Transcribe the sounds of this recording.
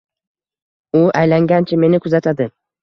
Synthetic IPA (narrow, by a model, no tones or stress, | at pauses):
ʊʔajlaŋɡʲant͡ʃʰɪme̞nɪkʰʊzat̪ʰad̪ɪ